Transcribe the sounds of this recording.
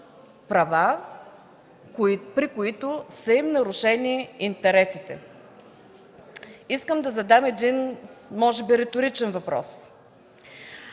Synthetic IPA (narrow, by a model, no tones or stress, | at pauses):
pɾɐva | pɾikʊit̪ʊsəimnɐɾʊʃɛniint̪ɛɾɛsit̪ɛ̰ | iskəmd̪ɐzɐd̪amɛd̪inmɔʒɛbiɾɛt̪ʊɾit͡ʃɛnvɐpɾɔ̰s